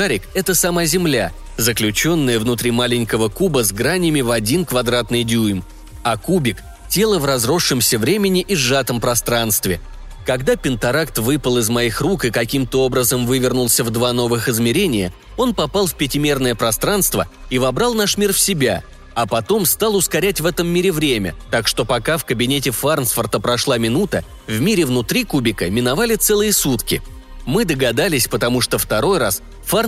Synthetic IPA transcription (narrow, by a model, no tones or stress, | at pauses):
aɾʲɪkɛt̪əsɐmazʲɪmlʲa | zəklʲʉt͡ɕo̞nːəjəvnʊt̪ɾʲimalʲɪnʲkəvəkubəzɡɾanʲɪjəmʲɪvɐdʲinkvɐd̪ɾat̪nɨjdʲujm | ɐkubʲɪk | tʲe̞lˠəvrɐzɾo̞ʂːɨmsʲəvɾʲemʲɪnʲɪʔiʐat̪əmpɾɐst̪ɾanst̪vʲɪ | kɐɡd̪apʲɪnt̪ɐɾakt̪vɨpəlˠɨzmɐixrukɨkɐkʲimt̪əo̞bɾəzəmvɨvʲɪrnʊlˠsʲəvd̪vano̞vɨxɨzmʲɪɾʲenʲɪjə | o̞n̪pɐpalˠfpʲɪtʲɪmʲe̞rnəjəpɾɐst̪ɾan̪st̪vəivɐbɾalˠnaʂmʲirfsʲɪbʲa | ɐpɐt̪o̞mst̪alˠʊskɐɾʲætʲvɛt̪əmːʲiɾʲɪvɾʲemʲə̰t̪akʂt̪o̞pɐkafkəbʲɪnʲetʲɪfarnsfərt̪əpɾɐʂlˠamʲɪn̪ut̪ə | vmʲiɾʲɪvnʊt̪ɾʲikubʲɪkəmʲɪnɐvalʲɪt̪sɛlˠɨjəsut̪kʲɪ̰ | mɨd̪əɡɐd̪alʲɪsʲpət̪ɐmuʂt̪o̞ft̪ɐɾo̞jras | far